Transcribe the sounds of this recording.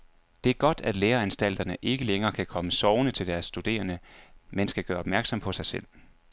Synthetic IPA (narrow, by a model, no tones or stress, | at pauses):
d̥e̝æɐɡ̥ɒ̽d̥æd̥leːɐænsd̥æl̰d̥ɐnəʔe̝ɡ̥əleŋɐːkʰækʰɒ̽məsɒʊnət͡sʰe̝ld̥æɐsːd̥ud̥e̝̰ːɐnəmensɡ̥æɡ̥ɶːɐɒ̽b̥mæɐɡ̥sɒ̽mpʰɒ̽sɑ̈ɪsel̰